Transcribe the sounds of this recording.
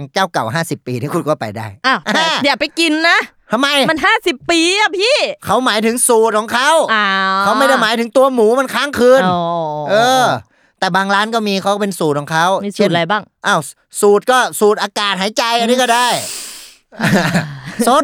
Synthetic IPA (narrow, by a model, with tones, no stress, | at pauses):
ŋt͡ɕaː˥˩wka˨˩wɦaː˥˩si˨˩pːiː˧nʰiː˧˥˩ku˧nkɔː˧˩pa̰˨˧jdaː˧˩jʔa˧˩wʔa˧di˨˩pa˧jki˧nːa˦˥ | t̪ʰa˧ma˧jma˧nɦaː˥˩si˨˩pːiː˧a˧˩pʰiː˥˩kʰa˦˥wmaː˨˩˦jt̪ʰɯ˨˩˦ŋsuː˨˩t̪̚kʰɔ˨˦ŋkʰa˦˥˨wa˧kʰa˦˥wma˧˥˩jda˥˩jmaː˨˦jt̪ɯ˩˦ŋt̪u˧ɐmuː˩˦ma˧nkʰaː˦˥˩ŋkʰɯː˧nʔɤː˧ | t̪ɛː˨˩baː˧ŋlaː˦˥nkɔː˥˩miː˧kʰa˦˥wkɔ˥˩pe˧nsuː˨˩kʰɔː˨˩˦ŋkʰa˦˥˩wmiː˧su˨˩t̪̚a˧jbaː˥˩ŋʔa˧˩w | suː˨˩t̪̚kɔː˥˩suː˨˩t̪̚ʔaː˧kaː˨˩t̪̚ɦaː˩˦jt͡ɕa˧jʔniː˦˥˩kɔː˥˩daː˥˩j | so˦˥